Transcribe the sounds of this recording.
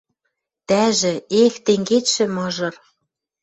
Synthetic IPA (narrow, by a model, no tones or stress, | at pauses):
t̪æʒɘ̆ext̪eŋɡet̪ʃɘ̆mɤ̆ʒɤ̆r